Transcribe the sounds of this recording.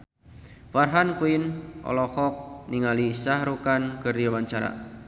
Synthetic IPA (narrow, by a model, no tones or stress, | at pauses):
farɦankuinʔɔ̰lɔhɔk̚niŋalisahɾukanɡərjawaɲt͡ʃaɾa̰